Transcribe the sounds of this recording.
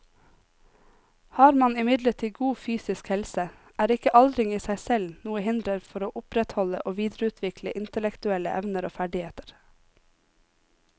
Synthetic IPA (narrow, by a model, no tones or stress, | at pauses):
hɑːɾmɑnɪmɪd̪ləʈʰiːɡuːfyːsɪskhɛlsə | ʔæːɾɪkəʔɑld̪ɾɪŋiːsæɪsɛlnuːəhɪnd̪ɾəɾfɔɾoːʔʊpɾɛt̪hɔləʔoːʋiːd̪ɾəʉːt̪ʰʋɪkləʔɪnt̪əlɛkt̪ʉɛlə̰ʔɛ̰ʋnəɾo̰ːfæɖɪeːt̪ə̥ɾ